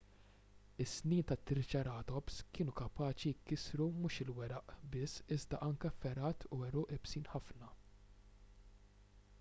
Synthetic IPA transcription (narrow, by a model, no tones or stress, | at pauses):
ɪsːniːnt̪ɐt̪ːɪɾt͡ʃɐɾɐːt̪ɔpskɪːnukɐpɐːt͡ʃijɪkːɪsɾumuːʃɪlwɛɾɐʔbɪsːɪzd̪ɐʔɐŋkɛfɛɾɐːt̪ʰuɛɾuːʔɛbsiːnħɐfnɐ